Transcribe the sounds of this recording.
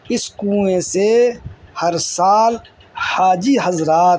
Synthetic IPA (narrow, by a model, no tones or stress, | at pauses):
ɪskũːẽsehɐɾsaːl | haːd͡ʒiɦɐzɾaːt̪